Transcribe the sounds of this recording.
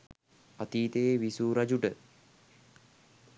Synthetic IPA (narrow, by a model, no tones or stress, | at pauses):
at̪iːt̪eeʋisuːɾad͡ʒuʈə